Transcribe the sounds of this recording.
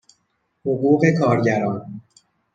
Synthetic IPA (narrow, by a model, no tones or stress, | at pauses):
hoɣuːɣe̞kʰɒːɾɟæɾɒːn